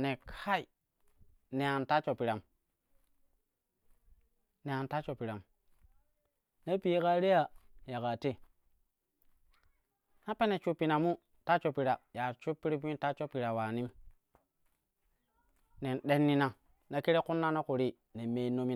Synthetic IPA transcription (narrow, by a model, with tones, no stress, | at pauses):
ne˨kʰa˦i˨ | ne˨a˨nta˦t͡ʃo˨pi˨ɾa˨m | ne˨a˨nta˦t͡ʃo˨pi˨ɾa˨m | ne˦pi˨je˦ka˦ɾe˦ja˨ja˨ka˨te˦ | na˦pe˦ne˨t͡ʃu˦pːi˨na˨mu˦ | ta˦t͡ʃo˨pi˨ɾa˨ja˨ɾt͡ʃu˦pːi˦ɾi˦p̬u˦i˦ta˦t͡ʃo˦pi˨ɾa˨wa˨ni˦m | ne˨nɗe˦nːi˦na˨ | na˨ki˦ɾe˦ku˦nːa˦na˦ku˨ɾi˦ | ne˨me˨˦no˦mi˦